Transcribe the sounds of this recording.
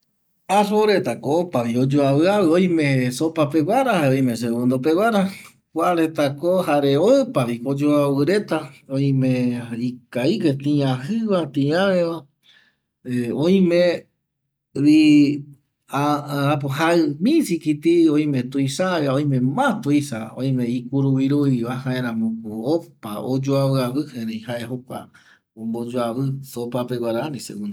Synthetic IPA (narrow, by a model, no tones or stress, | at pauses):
asoɾet̪akoopaβiod͡ʒoaβɨawɨoj̃mẽsopapewaɾaoj̃mes̬eβõnd̪op̬ewʷaɾa | kʷaɾet̪akohaɾeoɨpaβikod͡ʒoawɨɾe̞t̪aõj̃mẽikaiket̪ĩãhɨβat̪ĩãʋeβa | õj̃mẽ | ɾi | aapoɦaɨmĩsikit̪iõj̃mẽt̪uisaeaõj̃mẽmãt̪uisaõĩmẽikuɾuβiɾuiβahãẽɾ̃ãmõkuopa̰o̰d͡ʒoaβɨaβɨhẽɾẽhaʔeɦokʷa̰ | õmbod͡ʒoaβɨsopapeɡʷaɾanĩseɡũnd̪